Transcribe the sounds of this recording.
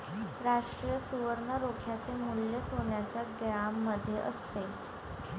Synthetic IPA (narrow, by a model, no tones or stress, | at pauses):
ɾaʂʈɾijəsuʋəɾɳəɾokʰjat͡semuljəsonjat͡ɕjaɡjamːəd̪ʱːjeʔəst̪e